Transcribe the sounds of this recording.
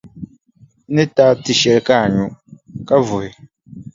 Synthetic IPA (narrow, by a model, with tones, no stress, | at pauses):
nɨ˦taː˦ti˨ʃɛ˦lka˦˨ɲu˦ka˦vʊ˨hɪ˨